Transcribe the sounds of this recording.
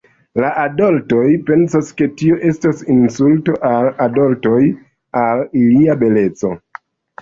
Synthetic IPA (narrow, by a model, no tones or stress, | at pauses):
laʔadolto̞jpe̞nsaske̞tioʔe̞stasinsulto̞ʔaladolto̞j | aliliabe̞le̞t͡so̞